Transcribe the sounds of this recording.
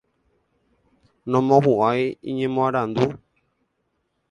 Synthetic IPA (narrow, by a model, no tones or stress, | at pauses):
nɔ̃mɔ̃βuaiḭɲɛ̃mɔ̃aɾand̪u